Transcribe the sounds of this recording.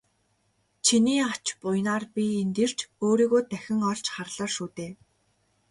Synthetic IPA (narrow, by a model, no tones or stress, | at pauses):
t͡ɕʰiniːat͡ɕpʊjnaːrpʲient̪ĕr̥t͡ɕoːɾiːɣoːt̪æxʲɪ̆ŋɔɮt͡ɕχarɮə̆ːrʃuːt̪eː